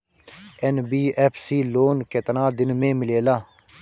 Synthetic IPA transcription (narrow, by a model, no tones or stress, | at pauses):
ɛnbiːɛːpʰsiːloːnket̪nãːd̪ɪnmẽːmɪleːlaː